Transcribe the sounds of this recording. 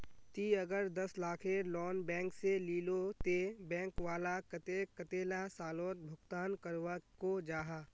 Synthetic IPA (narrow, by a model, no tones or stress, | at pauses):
t̪iɐɡəɾd̪ɐslaːkʰelɔːnbɛ̃ːŋkseliːlot̪ebɛ̃ːŋkʋaːlakɐt̪ekɐt̪eːlasaːloːt̪̚bʱʊkt̪aːnkəɾʋakod͡ʒaːɦaː